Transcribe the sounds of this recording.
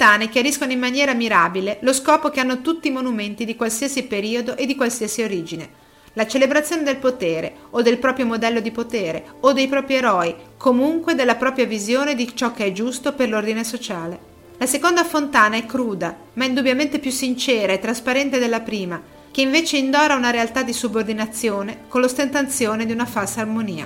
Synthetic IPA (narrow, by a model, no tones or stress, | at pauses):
t̪aːnekjaɾiskonoimːanjɛːɾamiɾabileloskɔːpokeanːot̪ut̪ːimonument̪id̪ikwalsiasipeɾiːod̪oʔed̪ːikwalsiasioɾiːd͡ʒine | lat͡ʃelebɾat̪sːjoːned̪elpot̪eːɾḛ | od̪ːelpɾɔːpɾjomod̪ɛlːod̪ipot̪eːɾeod̪ːejpɾɔːpɾjeɾɔːikʰomuŋkwed̪elːapɾɔːpɾjavizjoːned̪it͡ʃɔkːeɛd͡ʒust̪operlord̪inesot͡ʃaːle | lasekond̪afont̪aːnaɛkːɾuːd̪a | maind̪ubjament̪epjusːint͡ʃɛːɾaet̪ːɾaspaɾɛnt̪ed̪elːapɾiːma | k̟eiɱveːt͡ʃeind̪ɔːɾaunaɾealt̪ad̪ːisubord̪inat̪sːjoːnekonlost̪ent̪ant̪sjoːned̪iunafalsaːrmoniːa̰